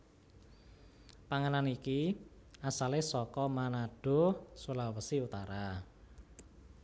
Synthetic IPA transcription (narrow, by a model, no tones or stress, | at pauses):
paŋənaniki | asalesɔkɔmanaɖ̥o̤sulawəsiut̪aɾa